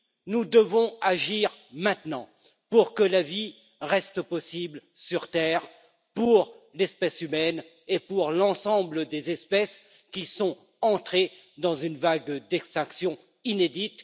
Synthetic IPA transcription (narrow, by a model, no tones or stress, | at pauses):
nud̪əvɔ̃aʒiʁmɛ̃t̪nɑ̃ | puʁkəlavi | ʁɛst̪pɔsiblsyʁt̪ɛʁ | puʁlɛspɛsymɛn | epuʁlɑ̃sɑ̃bləd̪ezɛspɛs | kʲisɔ̃ | ɑ̃t̪χe | d̪ɑ̃zynvaɡd̪ɛkst̪ɛ̃ksjɔ̃ | ined̪it̪